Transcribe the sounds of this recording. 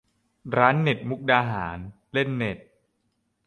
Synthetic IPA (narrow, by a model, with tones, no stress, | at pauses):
ɾaː˦˥nːe˨˩t̪̚mu˦˥k̚daː˧ɦaː˩˦n | le˥˩nːe˨˩t̪̚